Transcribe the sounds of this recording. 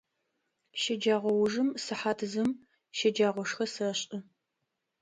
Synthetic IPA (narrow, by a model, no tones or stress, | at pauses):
ʃɐd͡ʒaːʁʷɔwʊʐɨmsɨħaːtʰɨzɨm | ʃɐd͡ʒaːʁʷɔʂχɐsɨɐɕʼɐ